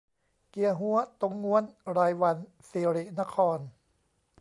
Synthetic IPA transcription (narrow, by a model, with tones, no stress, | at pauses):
ki˧˩ɐɦu˨˦ɐt̪o˧˩ŋːu˧˦˥ənɾaː˧jwa˧n | fiː˧ɾi˧˩na˦˥kʰɔː˧n